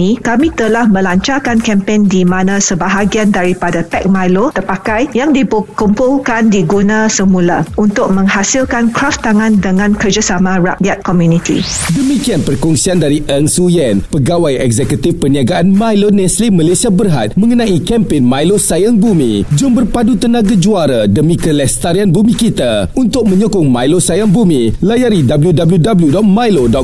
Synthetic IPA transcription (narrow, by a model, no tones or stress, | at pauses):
ĩkamĩt̪əlahmə̃laɲt͡ʃarkankɛmpendimãnãsəbaɦaɡiandaɾipadapɛk̚majlot̪ərpakajjaŋdibukumpulkandiɡunãsəmulaunt̪ʊk̚mə̃ŋhasilkankɾaft̪aŋãndəŋãnkərd͡ʒasamãra̰ʔjat̪̚kɔmjunit̪ḭdəmikianpərkɔŋsiandaɾiʔɛŋsujɛnpəɡawajʔɛ̰kzɛkut̪ɪfpəniaɡaʔanmajlonɛslimalesiabərɦa̰t̪̚mə̃ŋənãʔikɛmpenmajlosajaŋbumḭ̃d͡ʒʊmbərpadut̪ənãɡad͡ʒuaɾadəmĩkəlɛst̪aɾianbumĩkit̪aunt̪ʊk̚mə̃ɲukʊŋmajlosajaŋbumilajaɾidabəljudabəljudabəljudɔt̚majlodɔ